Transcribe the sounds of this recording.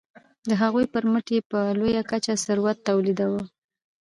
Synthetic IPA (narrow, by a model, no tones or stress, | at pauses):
d̪əɦaɣujpəɾməʈjepəlojakat͡ʃasəɾwat̪ːawlid̪awə